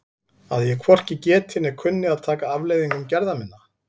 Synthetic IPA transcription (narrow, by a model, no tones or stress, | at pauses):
aðjɛkʰvɔr̥cɪcɛːt̪ʰɪnɛkʰʏnːɪaðt̪ʰaːkaavleːjðiŋkʏmcɛɾðamɪnːa